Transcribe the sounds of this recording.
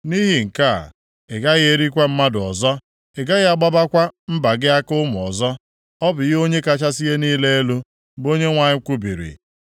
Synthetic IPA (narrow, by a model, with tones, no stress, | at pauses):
ni˦ɦi˨ŋ̩˨ka̰˦˨ | e˨ɡa˦ɣɪ˦e˦ɾi˦kʷe˦m̩˦ma˦dʊ˨ɔ˨zɔ˦ | e˨ɡa˦ɣɪ˦a˦ɡ͡ba˦ba˦kʷa˦m̩˦ba˨ɡɪ˦a˦kʊ˦mʊ˨ɔ̰˨zɔ˦ | ɔ˦bʊ˨ɣɪ˦o˦ɲe˦ka˦t͡ʃa˦si˦ɣe˦niː˦le˦e˦lu˦ | bo˦ɲe˦ŋʷa˨ɲɪ˦kʷu˦bḭ˨ɾḭ˨